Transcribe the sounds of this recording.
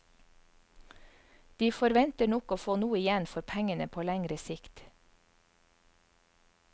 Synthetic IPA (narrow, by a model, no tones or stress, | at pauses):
d̪̥iːfɔɾʋɛnt̪əɳɔkoːfoːnuːəɪjɛnfɔɾpʰæŋənəpʰoːlæŋɾəsɪkt̪